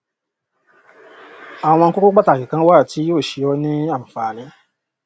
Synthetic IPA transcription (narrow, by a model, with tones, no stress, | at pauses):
a˨w̃ɔ̃˧˦ko˦ko˦k͡pa˦ta˨ki˨kã˧˦wa˦˨ti˦joː˦˨ʃi˧˦jɔ˧˦nĩ˦a˦˨m̩̃˨faː˨nĩ˨˦